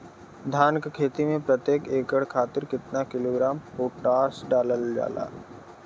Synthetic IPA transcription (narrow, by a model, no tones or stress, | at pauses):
d̪ʱaːnkkʰeːt̪imẽpɾɐt̪jeːkeːkəɽ̤kʰaːt̪ɪɾkɪt̪nakɪloːɡɾaːmpoːʈaːɾsɖaːləld͡ʒa̰ːla̰ː